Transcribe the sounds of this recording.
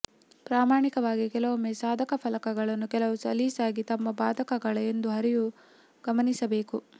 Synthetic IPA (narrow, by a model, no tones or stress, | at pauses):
pɾaːmaːɳikɐʋaːɡikɛlɐʋumesaːd̪ʱɐkɐpʰɐlɐkɐɡɐɭɐnːukɛlɐʋusɐ̰liːsaːɡit̪ɐmːɐbaːd̪ʱɐkɐɡɐɭɐend̪uɦɐɾiju | ɡ̥ɐmɐnisɐbeːku